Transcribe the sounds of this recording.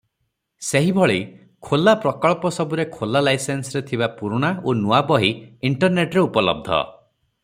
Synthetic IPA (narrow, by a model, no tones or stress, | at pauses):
seɦibʱɔɭi | kʰolapɾɔkɔɭpɔsɔbuɾekʰolalajsensɾet̪ʰibapuɾuɽ̃aonuabɔɦiiɳʈɔɾneʈɾeupɔlɔ̰b̚d̪ʱɔ̰